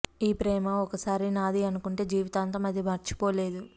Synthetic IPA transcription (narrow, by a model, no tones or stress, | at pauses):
iːpɾɛːmɐɔkɐsaːɾinaːd̪iɐnukuɳʈe̞ːd͡ʒiːʋit̪aːnt̪oːmɐd̪ʱjɐmɐɾt͡ʃi̥poːle̞ːd̪u